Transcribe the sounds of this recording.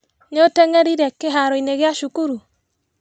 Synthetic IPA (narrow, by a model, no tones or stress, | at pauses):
neoteŋeɾiɾɛkːeɦaɾoineɣjaʃukuɾu